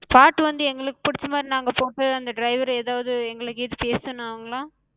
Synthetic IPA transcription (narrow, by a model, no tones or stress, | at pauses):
paːʈːʋɐnd̪ɯɛŋɡɐɭɯkːɯ̥pʊɽɪt͡ʃːɐmaːd̪ɾinaːŋɡɐpoːʈːɯɐnd̪ɐɖɾɐɪʋɐɾeːðaːʋɐðɯɛŋɡɐɭɯkːɯɛðɯpeːsɯ̃nãɐʋɐŋɡɐɭãː